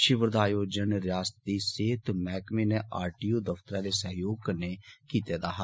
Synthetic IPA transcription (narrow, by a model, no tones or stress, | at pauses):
ʃɪʋəɾd̪aːjoːd͡ʒənɾɪjaːst̪iːseːt̪mɛːkmeːneaːɾʈiːoːd̪əft̪əɾãːleːsəɦjoːɡ̚kəɾneːkiːt̪eːd̪aːɦa